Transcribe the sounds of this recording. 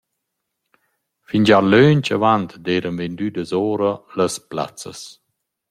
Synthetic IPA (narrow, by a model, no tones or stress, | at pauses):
fiɲd͡ʒaɾlønt͡ʃavant̪deːɾənvend̪ydəzɔːɾələspla̰t͡sə̰s